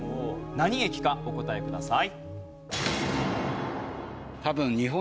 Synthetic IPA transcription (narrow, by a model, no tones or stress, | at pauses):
onaɲ̟ie̞kʲi̥kao̞ko̞t̪ae̞kɯ̟d̪asai | t̪abɯ̟̃ɲɲiɦõ